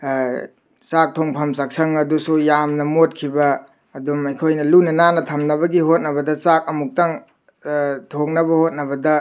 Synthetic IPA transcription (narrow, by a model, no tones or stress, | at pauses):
sak̚tʰoŋpʰɐmsak̚sʰɐŋɐdusujamnɐmot̚kʰibɐː | dumɐjkʰojnɐlunɐnanɐtʰɐmnɐbɐɡihot̚nɐbɐdɐsak̚ɐmuk̚taŋ | tʰoŋnɐbɐhot̚nɐbɐdɐ